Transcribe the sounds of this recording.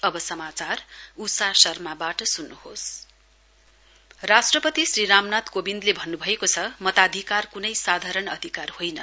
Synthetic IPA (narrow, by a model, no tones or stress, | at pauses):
ʌbʌsʌmat͡sarusasʌrmabaʈʌsunːuhos | rasʈrʌpʌt̪isriɾamnat̪kobind̪lebʱʌnːubʱʌekot͡sʰʌmʌt̪ad̪ʱikarkunʌjsad̪ʱaɾʌnʌd̪ʱikarhojnʌ